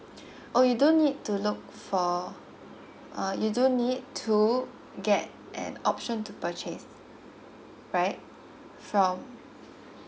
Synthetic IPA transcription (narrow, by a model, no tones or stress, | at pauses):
ʔojudõnːid̚tulʊk̚ | fɔ | ʔʌjudõnːid̚tʰu | ɡɛt | ʔɛ̰̃nɔp̚ʃə̃ntupət͡ʃɛs | ɹaɪt̚ | fɹɔ̃m